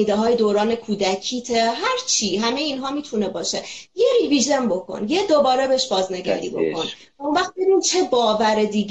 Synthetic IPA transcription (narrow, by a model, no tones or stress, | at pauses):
iːd̪eɦɒːjed̪oːɾɒːne̞kʰuːd̪ækʰiːt̪ʰeɦæɾt͡ʃʰiɦæmejeiːnɦɒːmiːt̪ʰunebɒːʃejeɾiviʒembo̞kʰo̰njed̪obɒːɾebeʃbɒːzneɡæ̰ɾḭːbo̞̰kʰo̞n | unvæxt̪̚beɾint͡ʃʰe̞bɒːvæɾed̪iːɡ